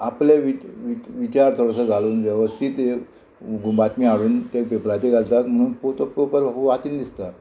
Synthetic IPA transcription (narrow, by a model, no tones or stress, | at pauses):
apleʋiʋiʋit͡ɕaɾt̪ʰoɽasəːɡʱaluːnʋjəʋəst̪ʰiːt̪e | ɡumbat̪miaʋiːnt̪epepɾat̪eɡʱalt̪ak̪m̤əɽ̃uːnpot̪opopəɾbʱabuʋat͡ɕind̪ist̪a